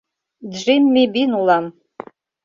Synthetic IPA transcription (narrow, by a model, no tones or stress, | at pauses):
dʐʷinmibinulam